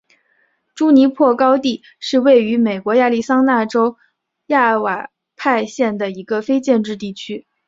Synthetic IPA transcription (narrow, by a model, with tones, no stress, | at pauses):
ʈ͡ʂu˥ni˧˥pʰwɔ˥˩kɑ˥ʊt̪i˥˩ | ʂɻ̩˥˧we˥˩ɪy˧˥me˨˩ɪkwɔ˧˥ja˥˧li˥˩sɑ˥ŋna˥˩ʈ͡ʂo˥ʊ | ja˥˩wa˨˩ | pʰa˥˧ɪɕjɛ˥˩nd̪ə˩i˧˥ɡə˧fe˥ɪt͡ɕjɛ˥˧nʈ͡ʂɻ̩˥˧t̪i˥˩t͡ɕʰy˥